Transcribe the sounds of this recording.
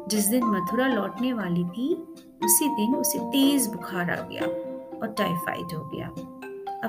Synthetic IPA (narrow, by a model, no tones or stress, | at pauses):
d͡ʒɪs̬d̪ɪnmɐt̪ʰʊɾalɔːʈneʋaːlit̪ʰi | ʊsid̪ɪnʊset̪eːzbʊkʰaːɾa̰ɡɐ̰ja̰ːɔːɾʈaːɪfa̰ːɪ̰dɦoːɡɐ̰ja̰ːɐ